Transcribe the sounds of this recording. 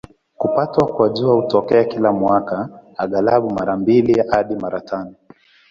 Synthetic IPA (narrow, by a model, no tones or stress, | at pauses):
kupatwakwaʄuautɔkɛakilamwakaaɠalaɓumaɾambilihaɗimaɾatanɔ